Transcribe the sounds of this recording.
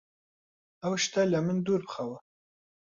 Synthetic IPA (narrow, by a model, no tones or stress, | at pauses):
awʃt̪alʲamɪnd̪uɾpχawa